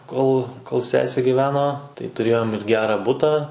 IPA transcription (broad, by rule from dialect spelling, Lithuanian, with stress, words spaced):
ˈkoːlˠ koːlˠ ˈsʲæːsʲeː ɡʲɪˈʋʲæːnoː tɐɪ tʊˈrʲeːjoːm ɪr ˈɡʲæːrɐ ˈbʊtɑː